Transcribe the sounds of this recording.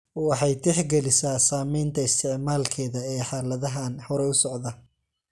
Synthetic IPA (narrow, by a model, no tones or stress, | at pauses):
ɔːwħɑjt̪ʰɛħɡɛlɪsaːsaːmɛjnt̪ʰɐɪst̪ʰɪʕmaːlkʰɛːðɐɛːħɑːlɐðɐɦaːnhɔɾɛʊsɔʕd̪ɐ